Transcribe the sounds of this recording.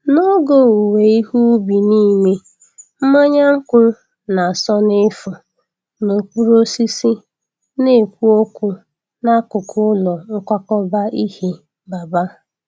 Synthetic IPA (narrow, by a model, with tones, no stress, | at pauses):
no˦ɡo˦˨u˨we˨i˦ɦu˦bi˨ni˦me˦ | m̩˦ma˦ɲa˦ŋ̩˦kʷʊ˦ | na˨sɔ˦nɪ˦fʊ˨ | no˨kʷu˦ɾo˦si˦si˦ | ne˦˨kʷu˦o˦kʷu˦ | na˦kʊ˨kʰʊ˦lɔ˨ŋ̩˦kʷa˦kɔ˦ba˦ʔi˦hi˨ | ba˨ba˦